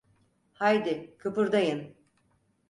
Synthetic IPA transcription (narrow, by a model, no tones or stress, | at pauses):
hajd̪ɪkʰɯpɯɾd̪ajɯn